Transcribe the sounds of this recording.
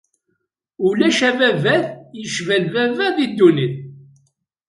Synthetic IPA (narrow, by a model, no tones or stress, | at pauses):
ulæʃævævæðjəʃvælvævæðid̪ːuniθ